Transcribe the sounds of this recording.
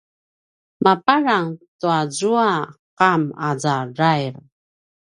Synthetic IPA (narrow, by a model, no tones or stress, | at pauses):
mapaɾaŋtuazuaqamazaɹajɾ